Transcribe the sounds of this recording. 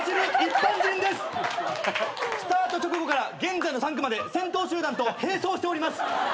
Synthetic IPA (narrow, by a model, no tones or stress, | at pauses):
t͡ɕiɾiipːãɲd͡ʑĩnd̪e̞sɨ̥ | sɨ̥t̪aːt̪o̞t͡ɕo̞kɯ̟bokaɾaɡẽ̞nd͡zaino̞sãŋk̬ɯ̟mad̪e̞sẽ̞nt̪o̞ːɕɨːd̪ãnt̪o̞he̞ːso̞ːɕi̥t̪e̞oɾʲimasɨ̥